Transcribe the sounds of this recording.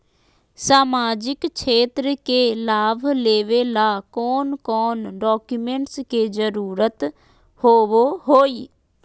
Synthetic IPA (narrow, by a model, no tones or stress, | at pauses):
saːmaːd͡ʒɪkt͡ʃʰeːt̪ɾkeːlaːʋleːʋeːlaːkɔːnkɔːnɖɔːkjumẽːɳʈskeːzəɾuːɾət̪ | hoːʋoːɦoːiː